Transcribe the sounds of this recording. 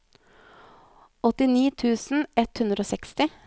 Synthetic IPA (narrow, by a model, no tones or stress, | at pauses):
ɔt̪ɪniːt̪ʰʉːsn̩ɛt̪hʉnd̪ɾoːsɛkst̪ɪ